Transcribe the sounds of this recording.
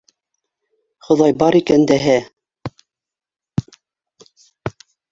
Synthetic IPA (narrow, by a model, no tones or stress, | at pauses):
χŏðɑjbɑɾikænd̪æɦæ